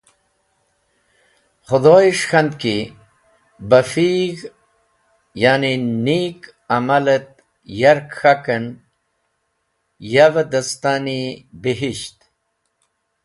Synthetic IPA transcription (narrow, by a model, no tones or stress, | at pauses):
xʊd̪oːjiʂxand̪̚ki | bafiɣ | jaːninik | amalət̪̚ | jaɾkxakən | javad̪ast̪anibiɦiɕt̪